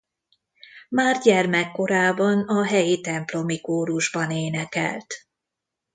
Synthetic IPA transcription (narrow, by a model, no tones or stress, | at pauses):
maːrɟɛrmɛkːo̞ɾaːbɒnɒɦɛjit̪ɛmplo̞mikoːɾuʒbɒneːnɛkɛ̰lt̪